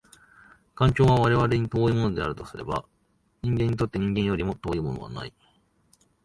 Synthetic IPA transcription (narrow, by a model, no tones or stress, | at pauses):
kãŋ̟kʲo̞ːβaβaɾe̞β̞aɾe̞ɲ̟it̪o̞ːimo̞no̞d̪e̞a̰ɾɯt̪o̞sɨɾe̞̰ba̰ | ɲ̟ĩŋɡẽɲ̟ːit̪o̞t̪ːe̞ɲ̟ĩŋɡẽ̞ɰ̃jo̞ɾʲimo̞t̪o̞ːimo̞̰no̞βa̰na̰i